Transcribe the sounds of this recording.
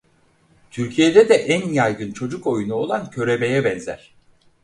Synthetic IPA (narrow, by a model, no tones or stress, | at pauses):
t̪ʰyɾcʰije̞d̪ɛd̪ɛʔænjajɡɯnt͡ʃʰo̞d͡ʒuko̞junuo̞lˠancʰø̞ɾe̞me̞jɛbɛnzæ̰ɾ̥